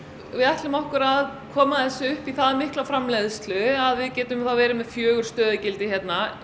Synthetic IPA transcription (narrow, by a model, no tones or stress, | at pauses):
vɪðaht̪lʏmɔhkʏɾaðkʰɔːmaðɛsːʏʏhpiθaðmɪhklafɾamlɛðst̪lʏaðvɪðcɛːt̪ʏmθawvɛːɾɪmɛðfjœːɣʏɾ̥st̪œːðɪcɪlt̪ɪçjɛt̪na